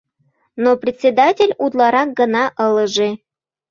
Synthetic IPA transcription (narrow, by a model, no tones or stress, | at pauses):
noprʲɪtʲsʲed̪atʲelʲud̪lˠɑɾɑk̚ɡə̆nɑʔə̆lˠə̆ʒe